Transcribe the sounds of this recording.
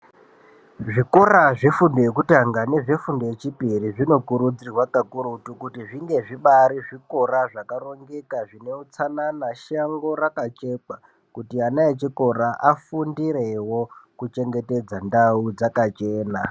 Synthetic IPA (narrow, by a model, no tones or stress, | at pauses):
ʐiko̞ɾaʐefundojekutaŋɡane̞ʐefundojet͡ʃipiriʐino̞kuɾud͡zirwakakuɾutukutiʐiŋɡe̞ʐiɓaɾiʐiko̞ɾaʐakaro̞ŋɡe̞kaʐineut͡sananaʃaŋɡo̞rakat͡ʃe̞k͡pa | kutianaet͡ʃiko̞ɾaʔafundire̞wo̞kut͡ʃe̞ŋɡe̞te̞d͡zandaud͡zakat͡ʃeːna